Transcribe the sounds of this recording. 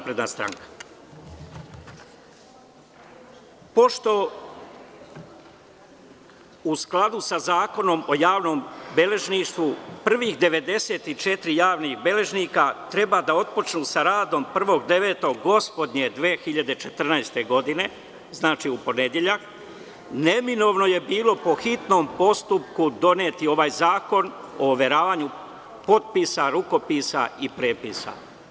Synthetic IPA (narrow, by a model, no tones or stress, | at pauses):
apɾe̞d̪nast̪ɾa̰ŋkḁ | po̞ʃt̪o̞ | usklˠad̪usazaːko̞no̞mo̞jaːʋno̞ːmbe̞le̞ʒniːʃt̪ʋupr̩ʋiːxd̪e̞ʋe̞d̪e̞se̞ːt̪it͡ʃe̞t̪ɾijaːʋnixbe̞le̞ʒniːkat̪ɾe̞bad̪ao̞t̪̚po̞t͡ʃnuːsaɾaːd̪o̞mpr̩ʋo̞ɡd̪e̞ʋe̞ːt̪o̞ɡɡo̞spo̞d̪ɲe̞d̪ʋeːxiʎad̪e̞t͡ʃe̞t̪r̩najst̪e̞ɡo̞d̪ine̞ | znaːt͡ʃiupo̞ne̞d̪je̞ʎak | ne̞mino̞ʋno̞je̞biːlˠo̞po̞xit̪no̞ːmpo̞st̪up̚kud̪o̞net̪io̞ʋaːjzaːko̞noːʋe̞ɾaːʋaːɲu | po̞t̪̚pisaɾuko̞pisa̰ipɾeːpiːsa̰